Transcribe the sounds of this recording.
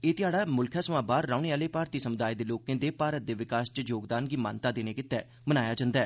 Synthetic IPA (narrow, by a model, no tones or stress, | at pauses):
eːt̪ɪjaːɽaːmʊlkʰaːsəʋãːbaːɾːaːʊneːaːleːpaːɾt̪iːsəmʊd̪aːid̪eːloːkẽːd̪eːpaːɾət̪̚d̪eːʋɪkaːst͡ʃəd͡ʒoːɡd̪aːnɡiːma̰ːnt̪aːd̪eːneːkɪt̪ːɛː | mənaːjaːd͡ʒãːnd̪ɛː